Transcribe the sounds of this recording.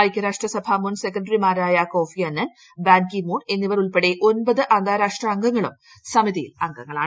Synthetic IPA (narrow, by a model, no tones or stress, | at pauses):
ɐjkʲːɐɾaːʂʈrɐsɐbʱamunsekːɐɖrimaːɾaːjɐko̞ːfiɐnːɐn | baːnkimuːɳe̞nːiʋɐɾuɭpeɽe̞ʔo̞nbɐðɨʔɐnd̪ʱaːɾaːʂʈrɐːŋɡɐŋːɐɭum | sɐmiðijḭlɐŋɡɐŋːɐɭaːɳ